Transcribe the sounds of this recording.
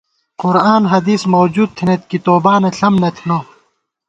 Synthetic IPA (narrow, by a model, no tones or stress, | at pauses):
qʊɾaːnɦɐd̪iːsmoːd͡ʑuːd̪̚t̪ʰinet̪̚kit̪oːbaːneɬɐmnet̪ʰno